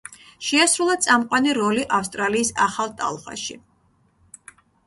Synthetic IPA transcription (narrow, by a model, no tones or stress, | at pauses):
ʃɛasɾulˠat̪sʼamqʼwaniɾɔliʔafst̪ʼɾaliːsaχalˠt̪ʼa̰lˠχʼa̰ʃi